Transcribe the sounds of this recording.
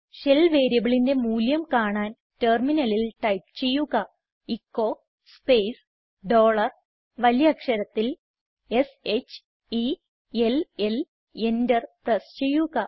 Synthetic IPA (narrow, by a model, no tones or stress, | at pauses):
ɕelʋeːɾijɐbiɭinde̞muːljɐmkaːɳaːn | terminɐlilʈɐjp̚t͡ɕe̞jːuɣɐ | ikːo̞ː | speːs | ɖo̞ːɭɐr | ʋɐljɐkʂɐɾɐt̪ːil | e̞set͡ɕː | i | elel | e̞ndɐrprɐst͡ɕe̞jːuɣɐ